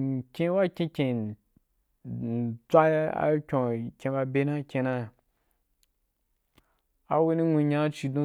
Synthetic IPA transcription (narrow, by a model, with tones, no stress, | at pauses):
kʲẽ˦wa˦kʲẽ˧kʲẽ˨ | t͡sʷa˦ja˦a̰˦kʲõ˨kʲẽ˧ba˧be˧na˦kʲẽ˧nã˦˨ | a˨we˦ni˦ŋʷũ˧ɲa˨˦t͡ʃi˨dũ˦